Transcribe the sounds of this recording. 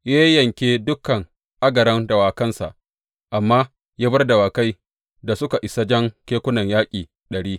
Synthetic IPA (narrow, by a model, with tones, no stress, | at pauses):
ja˦jɐ˨ŋkʲeː˦dʊ˦kɐ˨ŋ | ʔa˦ɡɐ˨ɾɐ˦ndɐ˨waː˨kɐ˦nsa̰˨ʔ | ʔa˨mːaː˦ | jaː˦bɐ˦rda˨waː˨ka˦j | da˨sʊ˦ka˨ʔɪ˨sa˦d͡ʒɐ˦ŋkʲeː˦kʷʊ˦nɐ˨ɲjaː˦kʲʼiː˨ | ɗɐ˨ɽiː˦